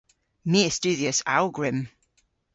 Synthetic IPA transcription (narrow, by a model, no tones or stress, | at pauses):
miːɪst͡ʃʉːðiəsa̰lˠɡɹɪ̃m